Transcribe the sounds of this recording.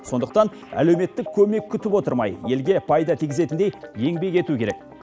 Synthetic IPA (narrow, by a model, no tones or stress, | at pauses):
so̞nd̪əq̚t̪ɑn | æ̰le̞wme̞t̪ːɪkʲʰːɵme̞kʲʰːʏt̪ɪpwo̞t̪əɾmɑ̰jje̞lɡʲe̞pʰɑjd̪ɑt̪ʰijɡʲɪze̞t̪ɪnd̪ejje̞ŋbe̞ke̞t̪ukʲʰe̞ɾek̚